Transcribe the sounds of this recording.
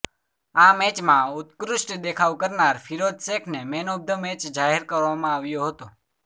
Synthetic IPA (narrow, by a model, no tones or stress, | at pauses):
amɛt͡ʃmãʊt̪kɾʊʃʈd̪ekʰaʋkəɾnaɾfʰiɾod̪sekʰnemɛnob̚d̪ʱəmɛt͡ʃd͡ʒaɦɛɾkəɾʋamãaʋjoɦət̪o